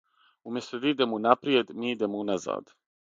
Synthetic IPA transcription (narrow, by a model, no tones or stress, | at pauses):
umest̪əd̪id̪emunapɾied̪mid̪emunaza̰d̪